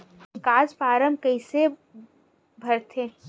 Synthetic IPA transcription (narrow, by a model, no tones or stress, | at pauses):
kaːzpaːɾəmbkɐɪse | bʱɐɾt̪ʰe